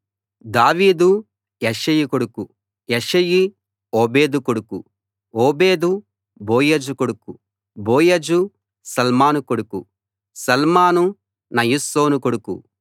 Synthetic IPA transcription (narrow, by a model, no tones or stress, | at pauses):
d̪aːʋiːd̪u | jeʂɐjikoɽuku | jeʃɐji | oːbeːd̪ukoɽuku | oːbeːd̪u | boːjɐd͡ʒukoɽuku | boːjɐd͡ʒu | sɐlmaːnukoɽuku | sɐlmaːnu | nɐjuso̞ːnukoɽukṵ